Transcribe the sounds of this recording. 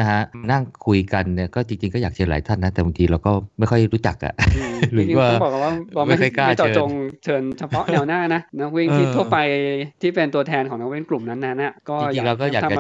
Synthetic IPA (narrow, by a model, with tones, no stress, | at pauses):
na˦kʰa˦˥ʔma˧na˥˩ŋkʰu˧jka˧nːi˥˩kɔː˥˩t͡ɕi˧ŋt͡ɕi˧ŋkɔː˥˩jaː˨˩k̚t͡ɕʰɤː˧nla̰ː˩˦jt̪ʰa˥˩nːa˦˥t̪ɛː˨˩a˧ŋt̪ʰiː˧ɾa˧wkɔː˥˩ma˥˩jxʰɔ˥˩jɾuː˦˥t͡ɕa˨˩k̚ʔa̰˨˩ɯː˧ɾɯ˧˦t͡ɕːwaː˥˩˥bɔː˨˩ka˨˩waː˥˩ɾɔː˧m˥a˥˩jʰɔ˥˩kaː˥˩t͡ɕɔː˨˩t͡ɕo˧ŋt͡ɕʰɤː˧nt͡ɕʰa˧pʰɔ˦˥ʔnɛː˨˩wnaː˥˩na˦˥ʔna˦˥k̚wi˥˩ŋt̪ʰiː˥˩t̪ʰu˥˩əpa˧jt̪ʰiː˥˩pe˧nt̪u˧ɐt̪ʰɛː˧nkʰɔː˩˦ŋna˦˥wi˥˩ŋklu˨˩mna˦˥nːa˦˥na˨˩kɔː˥˩˧jat͡ɕiː˨˧ŋɾa˧wkɔː˥˩jaː˨˩˧t͡ɕa˧m˧